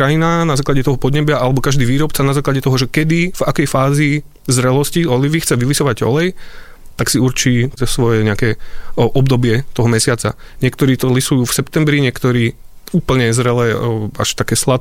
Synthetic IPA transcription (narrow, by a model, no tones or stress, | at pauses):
kɾajinanazaːklaɟɛt̪ɔɦɔpɔd̪ɲɛbɪaʔalɛbɔkaʒd̪iːʋiːɾɔpt͡sanazaːklaɟɛt̪ɔɦɔʒɛkɛd̪iv̥akɛjfaːzi | zɾɛlɔsciɔliʋixt͡sɛʋilisɔʋaɟɔ̰lɛj | t̪aksiuɾt͡ʃiːt̪sʋɔjɛɲɛakɛːʔɔbd̪ɔbɪɛt̪ɔɦɔmɛsɪat͡sa̰ | ɲɪɛkt̪ɔɾiːt̪ɔlisujuːfsɛpt̪ɛmbɾiɲɪɛkt̪ɔɾiː | uːpl̩ɲɛzɾɛlɛːa̰ʃt̪akɛːslat̪